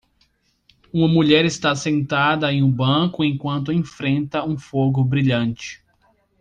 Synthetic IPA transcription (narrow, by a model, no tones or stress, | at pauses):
ũmɐmuʎɛɾɪst̪asẽnt̪ad̪ɐẽj̃ʊbɐ̃kʊẽj̃kwɐ̃nt̪ʊẽfɾẽnt̪ɐũfoɡʊbɾiʎɐ̃nt͡ʃɪ̥